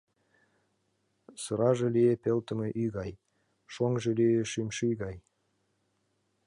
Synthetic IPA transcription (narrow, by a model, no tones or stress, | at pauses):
sɤɾɑʒĕliepelt̪ə̆meʔyɣɑj | ʃoŋʒĕlieʃymʃyjɣɑj